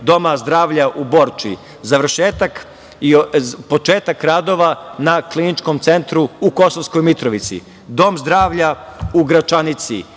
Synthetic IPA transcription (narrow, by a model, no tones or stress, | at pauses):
d̪o̞mazd̪ɾaːʋʎaʔubo̞ːɾt͡ʃi | zaʋr̩ʃeːt̪ak | ipo̞t͡ʃeːt̪akɾaːd̪o̞ʋanaklinit͡ʃko̞mt̪se̞nt̪ɾuuko̞soʋsko̞jmit̪ɾoʋit̪sḭ | d̪o̞mzd̪ɾaːʋʎauɡɾat͡ʃanit̪sḭ